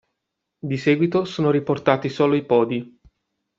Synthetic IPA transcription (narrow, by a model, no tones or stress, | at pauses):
d̪isɛːɡwit̪osoːnoɾiport̪aːt̪isoːloipɔːd̪i